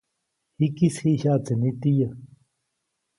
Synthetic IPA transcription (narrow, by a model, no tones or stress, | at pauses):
hikisiɕaːt͡s̪ənit̪ijə